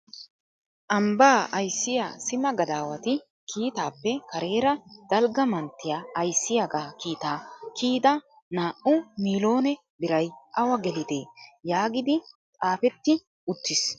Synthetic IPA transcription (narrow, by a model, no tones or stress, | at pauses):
ʔɐmbaːɐjsːɪja̰sɪmɐɡɐd̪aːwɐt̪ɪ | kʰiːt̪aːpːɛkɐɾe̞ːɾɐd̪̥ɐlɡɐmɐnt̪ːɪjaɐjsːɪjɐɡaːkiːt̪aːkʰiːd̪ɐ | naːʔʊmiːlo̞ːnɛ | bɪɾɐjʔɐwɐɡɛlɪd̪e̞ːjaːɡɪd̪ɪt͡sʼaːfɛt̪ːɪ | ʊt̪ːɪs